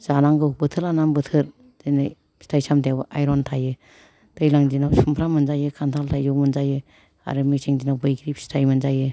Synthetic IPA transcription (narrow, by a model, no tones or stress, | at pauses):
z̥anaŋɡɯbɯtʰɯlanambɯtʰɯɾ | zɯjna̰j | si̥tʰajsamtʰawbɯʔajɾɔntʰajɯ | tɯjlaŋzinawsumpʰɾamɯnzajɯkʰantʰaltʰajɯwmɯnzajɯ | a̰ɾɯmisʰeŋd͡ʒinawbɯjɡɾip̚si̥tʰajmɯnzajɯ